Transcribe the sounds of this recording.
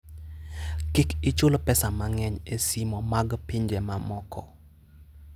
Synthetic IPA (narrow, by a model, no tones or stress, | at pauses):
kikɪt͡ʃʊlpɛsamaŋɛɲesimɔmaɡpiɲd͡ʒɛmamɔkʰɔ